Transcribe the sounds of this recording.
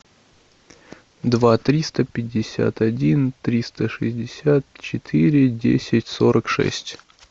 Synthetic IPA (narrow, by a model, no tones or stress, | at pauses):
d̪vat̪ɾʲist̪əpʲɪdʲːɪsʲa̰t̪ɐdʲint̪ɾʲist̪əʂɨzʲdʲɪsʲat̪t͡ɕɪt̪ʰɨɾʲɪdʲḛsʲɪtʲso̞ɾʔəkʂɛ̰sʲtʲ